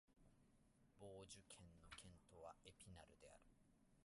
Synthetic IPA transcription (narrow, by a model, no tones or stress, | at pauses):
b̥oːʑɨkʰẽ̞nːo̞kʰẽ̞nt̪o̞βaepʲinaɾɯ̟d̪e̞a̰ɾɯ̟̥